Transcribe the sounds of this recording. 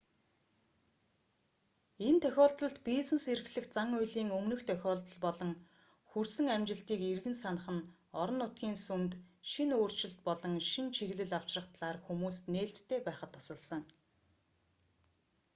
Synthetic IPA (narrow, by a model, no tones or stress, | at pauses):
ent̪ʰœxʲɔːɮt̪ɞ̆ɮt̪pisɘ̆nseɾɘ̆xɮɘ̆xt͡saŋʊjɮiːŋɵmnɵ̆xt̪ʰœxʲɔːɮt̪ɞ̆ɮpɔɮɞ̆ŋ | xursɘ̆ŋæmt͡ɕɪ̆ɬt̪iːkirɣɘ̆nsanə̆χə̆n | ɔɾɞ̆nːʊt̪ɡʲiːnsumt̪ʃinoːr̥t͡ɕɪ̆ɬt̪̚pɔɮɞ̆ŋʃint͡ɕʰiɣɮɘ̆ɮaw̥t͡ɕrə̆χt̪ɮaːrxumuːsneːɬt̪ʰːeːpæːχə̆t̪ʰːɔ̥sə̆ɮsə̆ŋ